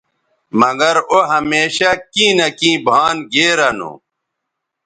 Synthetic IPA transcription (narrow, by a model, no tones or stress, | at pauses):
mɐɡɐɾoɦɐmeːɕakĩːnɐkĩːbʱaːnɡeːɾɐnṵ